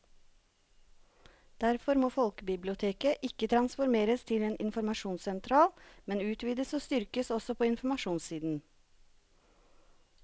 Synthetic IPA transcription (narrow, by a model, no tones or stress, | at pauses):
d̪̥æɾfɔɾmoːfɔlkbɪblɪʊt̪ʰeːkəʔɪkət̪ʰɾɑnsfɔɾmeːɾəst̪ʰɪleːnʔɪ̰nfɔɾmɑʃuːnsɛnt̪ʰɾɑːlmɛnʉːt̪ʰʋiːd̪əsoːst̪ʏɾkəsɔsɔpʰoːɪnfmɑʃuːnsiːd̪n̩